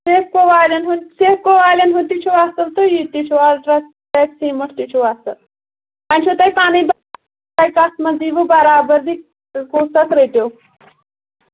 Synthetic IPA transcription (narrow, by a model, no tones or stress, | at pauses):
seːfkoʋaːlʲɐnɦunseːfkoʋaːlɐnɦut̪it͡ʃʰuʋast̪ɐlt̪ojit̪it͡ʃʰualɾɐ | t̪ɐksiːmɐʈʰt̪it͡ʃʰuʋast̪ɐ̰l | ɐnʲt͡ʃʰut̪ɐjpaːnib̪ | ɐjkɐst̪mɐziːʋɨbɐɾaːbɐɾd̪i | koːsɐk̪ɾeʈow